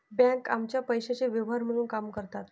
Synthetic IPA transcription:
bɛ̃kamt͡ɕjapəjɕat͡ɕeʋjəʋɦaɾm̤əɽ̃uːnkamkəɾt̪at̪

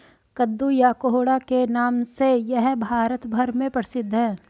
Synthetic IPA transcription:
kəd̪ːujakoɦoːɽakenaːmsejɛɦbʱaːɾət̪bʱəɾmẽpəɽsɪd̪ʱːɦɛ̃ː

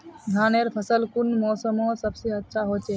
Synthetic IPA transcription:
d̪ʱaːneɾpʰəsəlkʊnmɔːsəmõsəbseətːʃʰaɦoːt͡ʃeː

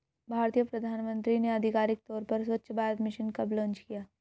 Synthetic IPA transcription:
bʱaːɾt̪ijəpɾɐd̪ʱaːnmə̃nt̪ɾineɐd̪ʱɪkaːɾɪk̚t̪ɔːɾpɐɾswɐtːʃʰbaːɾət̪mɪʃənkɐblɔ̃ːnt͡ʃkijaː

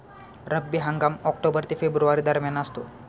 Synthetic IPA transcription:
ɾəbːiɦaŋɡamɔk̚ʈobəɾt̪iːfebɾuʋaɾiːd̪əɾmjanəst̪o̰

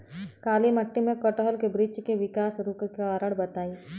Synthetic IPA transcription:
kaːlimɐʈːimẽkɔʈoɦəlkebɾɪd͡ʒkeʋɪkaːsɾʊkkeaːɾəɽbɐt̪aːiː

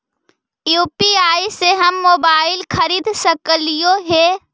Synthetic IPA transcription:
juːpiaːiseɦɐmːoːbaːɪlxʰɐɾiːd̪səkəlijoɦeː

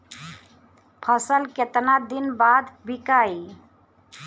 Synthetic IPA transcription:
pʰəsəlket̪nad̪inbad̪bʱikai

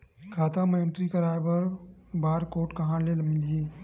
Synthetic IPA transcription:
kʰaːt̪amenʈɾikɐɾaːjbɐɾbaːɾkoːʈkɐɦãːnlelmɪliː

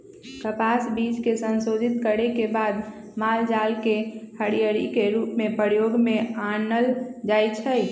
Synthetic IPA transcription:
kəpasbiːd͡ʒkesənsod̪ʱit̪kəɾekebaːd̪ | maːld͡ʒalkehəɽijəɾikeɾuːpmẽpəɾjoɡmẽanəld͡ʒajt͡ʃʰə

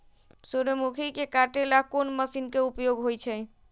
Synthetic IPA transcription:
suɾəmukʰikekaʈelakonməsinkeupjoɡɦojt͡ʃʰɛ

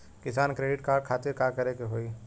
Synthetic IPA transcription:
kɪsaːnkɾeːɖɪʈkaːɾɖ̚kʰaːt̪ɪɾkaːkɐɾekeɦoːi

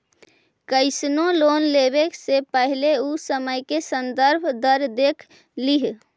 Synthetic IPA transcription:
kəɪsnolonleβeksepəɦileusəməjkesənd̪əɾbʱd̪əɾd̪ekʰ | liɦ

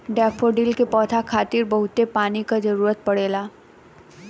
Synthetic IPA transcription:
ɖɛːpʰoɖiːlkepɔːt̪ʰakʰaːt̪iɾbɐɦʊt̪epaːnikad͡ʒɐɾuːɾət̪̚pɐɽeːlaː

